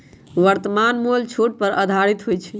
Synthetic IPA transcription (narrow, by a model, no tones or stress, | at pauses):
ʋəɾt̪əmanmolt͡ʃʰoʈ̚pəɾə̰d̪ʱaɾit̪ɦojt͡ʃʰɛ